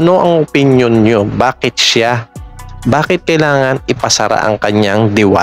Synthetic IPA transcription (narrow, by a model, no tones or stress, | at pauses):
ɐno̞ʔɐŋʔʊpɪnjonɲobaːkɪt̪̚ʃa | baːkɪt̪̚kɐjlaːŋɐnɪpɐsɐɾa̰ʔɐ̰ŋkɐɲaŋd̪ɪwa̰